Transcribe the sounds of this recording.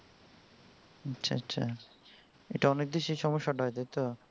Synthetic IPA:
ɐtːɕʰa̰atːɕʰa̰ | ḛʈaɔnek̚d̪eʃejʃɔmoʃːaʈaɦɔet̪ajt̪o

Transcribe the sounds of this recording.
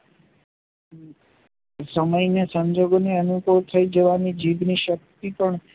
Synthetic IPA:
səməjnjəsə̃ɲd͡ʒoɡoneənubʱəwt̪ʰəjd͡ʒəʋanid͡ʒiʋniʃək̚t̪ipəɳ

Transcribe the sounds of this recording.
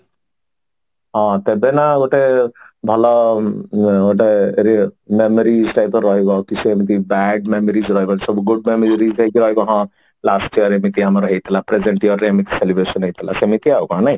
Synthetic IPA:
ɔ̃t̪ebenaoʈebʱɔlɔ | oʈ̬eɾimemɔɾid͡zʈajpɔːʌɦekokisʰuemit̪̬ibaɖmemoɾid͡zɾʌɦekonsʌbuɡuɖ̚memeɾɾid͡zʈajkiɾʌɦekoɦã | lasʈiʌɾemit̪iamɾɔɦet̪ʰilapɾed͡zeɳʈijʌɾeamit̪ʰi̥selibɾesɔnɦejt̪ʰila̰semit̪iaɦukɔɦãnʌj

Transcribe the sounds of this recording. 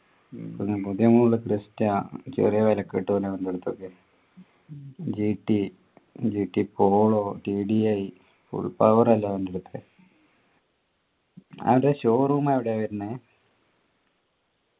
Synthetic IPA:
konːepuðjɐmuːɭɨkristːɐt͡ɕḛrijɐʋɐlɐkːeːʈːɨpoːlːeʋɐndeɽut̪ːokːe | d͡ʑiːʈːi | d͡ʑiːʈːipoːɭoːʈiɖiɐj | fṵɭpɐʋɐrɐlːaʋɐnɖeɽut̪ːɨ | ɐ̰ʋɐɾðeɕoːruumaːeʋiɽeʋɐɾunːɨ

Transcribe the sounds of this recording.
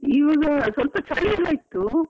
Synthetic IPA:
iʋɐɡɐsʋɐlpɐt͡ʃɐliɐlːɐit̪ːu

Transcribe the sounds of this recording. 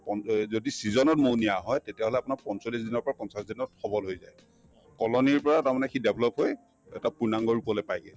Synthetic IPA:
pɔnzodisizɔnɔt̚monijaɦɔjtetijaɦolɛapunaɹpɔnsolisdinɔɹpɔɹakɔnsasdinɔtxʰɔbɔlɦojzaj | kɔlɔniɹpɔɹataɹmanɛkʰidɛbʱlɔpɦoj | ɛ̰tapuɹnaŋɡɔɹupɔlopajɡɛl

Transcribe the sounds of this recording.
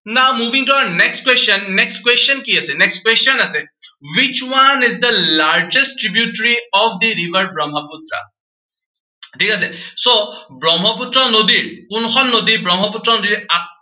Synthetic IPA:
namubʱĩŋtɔɹanɛkskwesɔnːɛkskwesɔnkiasɛnɛkstkwestɔnasɛwit͡ʃwanizdəlaɹd͡ʒɛstɹibjutɹiɔfd̪iɹivaɹbɹɔmɦɔputɹa̰ | tʰikas̬ɛsobɹɔmɦɔputɹɔnodiɹkʊnkʰɔnːodiɹbɹɔmɦɔputɹɔnodiɹa

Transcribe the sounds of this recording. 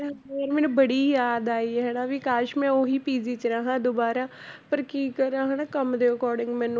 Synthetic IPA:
aoːɾmɛːnũbəɽiːjaːd̪aːiɦɛːnaːʋiːkaːʃmɛ̃ːoːɦiːpiːziːt͡ʃəɾãːɦãːd̪oːbaːɾaːpəɾkiːkəɾãːɦəːnaːkəmd̪eːəkɔːɾɖɪ̃ŋɡmɛ̃ːñː

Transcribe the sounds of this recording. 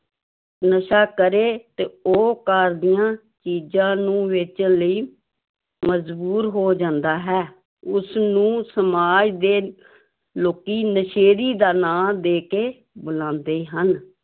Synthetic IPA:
nəʃaːkəɾeːt̪eːoːkaːɾd̪ɪjãː | t͡ʃiːd͡ʒãːnũːʋɪt͡ʃləiː | məd͡ʒbuːɾɦoːd͡ʒãːnd̪aːɦɛː | ʊsnũːsəmaːd͡ʒd̪eː | loːkiːnəʃeːɾiːd̪aːnãːd̪eːkeː | bʊlãːnd̪eːɦən

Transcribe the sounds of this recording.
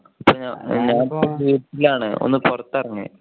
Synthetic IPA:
ɐpːoːɲaɲaːnpːoʋiːʈːilaːɳɨo̰nːɨpurɐt̪ːɐrɐɲːɨ̰

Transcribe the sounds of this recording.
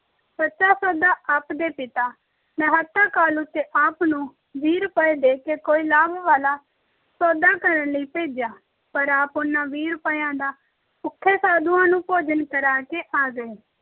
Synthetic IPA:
bətːʃaːsoːd̪aːʔəpd̪eːpɪt̪aː | nəɦət̪ːaːkaːlʊt̪ːeːʔaːpnũː | ʋiːɾpəeːd̪eːkeːkoːiːlaːbʋaːlaː | sɔːd̪aːkəɾənləiːpeːd͡ʒjaː | pəɾaːpʊnːãːʋiːɾpəjãːd̪aː | ʊkʰːeːsaːd̪uːãːnũːpoːd͡ʒənkəɾaːkeːʔaːɡəeː

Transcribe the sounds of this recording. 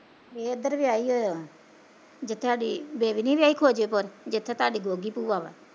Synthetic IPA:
beːəd̪əɾʋjaːiːɦoːjoː | d͡ʒɪt̪ʰaːɗiːbeːʋiniːʋjaːiːkʰoːd͡ʒeːpəɾd͡ʒet̪ʰːet̪aːɗiːɡoːɡiːpuːʋaːʋa̰

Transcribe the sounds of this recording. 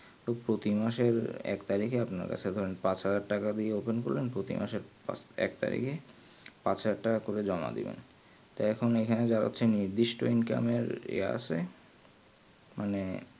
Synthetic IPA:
t̪opɾot̪imaʃeɾɛ̰kt̪aɾikeapna̰ɾka̰t͡ɕʰed̪ʱɔɾenpat͡ɕɦad͡ʑaɾʈakad̪ieopenkoɾlenpɾot̪ḭma̰ʃeɾpa̰ɛ̰kt̪a̰ɾḭke | pat͡ɕʰaaɾʈːakakoɾed͡ʑɔma̰d̪ḭbḛn | t̪oɛkʰonekʰaned͡ʑaɾo̰tːɕʰeniɾd̪iʃʈoinka̰meɾḛa̰ʃʰe | mʔane

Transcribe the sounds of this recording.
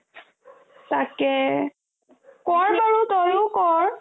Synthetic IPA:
takɛ | kɔɹbaɹutɔjʊkɔɹ

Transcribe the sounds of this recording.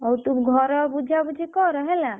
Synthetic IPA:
ɔut̪ubɡʱɔɾɔbud͡ʒʱabud͡ʒʱekɔɾəɦela

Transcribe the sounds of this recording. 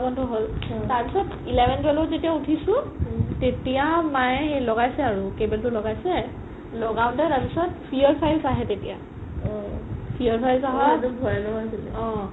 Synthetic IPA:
bɔndʱɔɦoltaɹpisɔt | ilɛbʱɛntwɛlɔzetiautʰisʊ̃ | tetijamajelɔɡajsɛaɹukebɛltʊlɔɡajsɛ | lɔɡaʊ̃ntɛtaɹpisɔtpʰiɔɹpʰajzaɦɛtetija | ɔpʰijɔɹpʰajzaɦɔtubʱɔjanɔasilɛɔ̃

